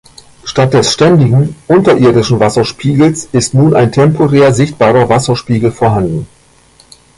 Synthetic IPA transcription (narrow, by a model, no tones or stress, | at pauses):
ʃtat̚d̥ɛsʃtɛndɪɡŋ̩ʔʊntɐʔɪɐdɪʃn̩vasɐʃpiːɡl̩sɪstnuːnaɪntʰɛmpʰoʁɛːɐzɪçtb̥aːʁɐvasɐʃpiːɡl̩foːɐɦandn̩